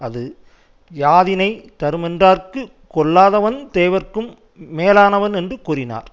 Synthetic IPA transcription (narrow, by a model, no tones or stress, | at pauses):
ɐðɯ | jaːðɪnɐɪt̪ɐɾɯmɛndraːrkɯ | kɔɭːaːðɐʋɐnd̪eːʋɐrkɯmː | eːlaːnɐʋɐnɛndrɯkuːrɪna̰ːɾ